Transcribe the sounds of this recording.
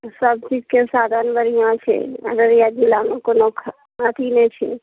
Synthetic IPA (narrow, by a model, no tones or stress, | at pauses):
səb̚t͡ʃid͡ʒkesaːd̪ʱanbəɾijãt͡ʃʰḛə̰ɡəɾjad͡ʒilanõkonokʰ | at̪ʰinet͡ʃʰḛ